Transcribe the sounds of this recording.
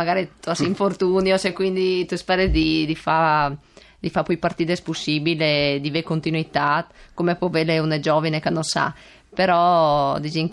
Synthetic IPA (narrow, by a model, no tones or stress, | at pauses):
maɡaːɾit̪uasiɱfort̪unjosekwind̪it̪uspɛɾed̪id̪ifa | d̪ifapujpart̪iːd̪espusːiːbiled̪ivekont̪inuit̪at̪komepwɔveleuned͡ʒɔːvinekanːosa̰ | peɾɔd̪id͡ʒiŋ